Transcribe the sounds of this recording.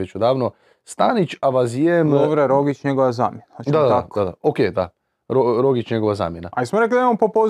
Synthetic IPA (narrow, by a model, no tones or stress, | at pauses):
et͡ɕud̪aːʋno | st̪anit͡ɕaʋazijemʋɾeɾoɡit͡ʃɲeɡoʋazaːmjenat͡ʃd̪ad̪ad̪aakdo̥ad̪aokeːd̪a̰ | ɾoɾoɡit͡ʃɲeɡo̞ʋaza̰ːmjenaaismoɾek̬lid̪aimompopo